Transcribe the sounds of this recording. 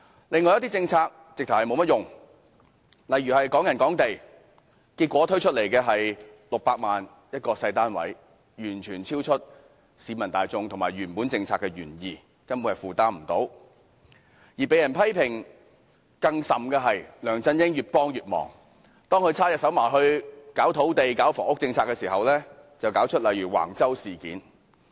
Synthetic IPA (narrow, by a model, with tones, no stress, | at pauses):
lɪ˨ŋɔː˨˧jt̪̬i˥t͡sɪ˧ŋt͡sʰaː˧k̚ | t͡sɪ˨k̚t̪ʰhɐ˨jmo˨˧wmɐ˥t̚jʊ˨ŋ | lɐ˨˩jɥyː˨˩hɐ˨jkɔː˨˥ŋjɐ˨˩nkɔː˨˥ŋt̪e˨j | kiː˧t̚kʷɔː˨˥t̪ʰɵ˥ɥt͡ʃʰɵ˥t̚le˨˩jkɛː˧ɦɐ˨jlʊ˨k̚paː˧k̚maː˨n | jɐ˥t̚kɔː˧sɐ˧jt̪aː˥nwɐ̰˨˥j | jyː˨˩nt͡ʃʰyː˨˩nt͡sʰiː˥wt͡ʃʰɵ˥t̚ | siː˨˧mɐ˨˩nt̪aː˨jt͡sʊ˧ŋt̪ʰʊ˨˩ŋmaː˨˩jyː˨˩npu˨˥nt͡sɪ˧ŋt͡sʰaː˧kːɛ˧ɥy̰ː˨˩njiː˨ | kɐ˥npuː˧ɐ˨fuː˨t̪aː˥m̩˨˩t̪o˨˥w | jiː˨˩pe˨˥jɐ˨˩npʰɐ˥jpʰɪ˨˩ŋ | kɐ˧ŋsɐ˨mkɛː˧ɦɐ˨jlœː˨˩ŋt͡sɐ˧njɪ˥ŋjyː˨t̚pɔː˥ŋjyː˨t̚mɔ̰ː˨˩ŋ | t̪ɔː˥ŋkʰɵ˧ɥt͡sʰaː˥jɐ˨t̚sɐ˨˥wmaː˨˩jɦɵ˧ɥkaː˨˥wt̪ʰo˨˥wt̪e˨jkaː˨˥wfɔː˨˩ŋʊ˥k̚t͡sɪ˧ŋt͡sʰaː˧kɛ˧siː˨˩ɦɐ˨wlɛː˥t͡sɐ˨wkaː˨˥wt͡ʃʰɵ˥t̚lɐ˨jɥyː˨˩wa̰ː˨˩ŋt͡sɐ˥wsiː˨kḭː˨˥n